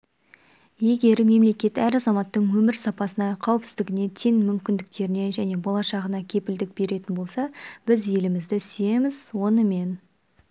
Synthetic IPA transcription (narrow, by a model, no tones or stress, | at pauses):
je̞ɡʲe̞ɾme̞mle̞kʲe̞t̪æɾɑzɑmɑt̪ːəɴwɵmɪɾsɑpɑsənɑqʰɑwəpsɪ̥zd̪ɪɡʲɪne̞t̪ʰenmʏmkʲɪnd̪ɪk̚t̪e̞ɾɪne̞ʒæne̞bo̞lˠɑʃɑʁənɑkʲʰe̞pɪld̪ɪk̚be̞ɾe̞t̪ɪnbo̞lˠsɑb̥ɪzje̞lɪmɪzd̪ɪsʏje̞mɪzwo̞nəme̞n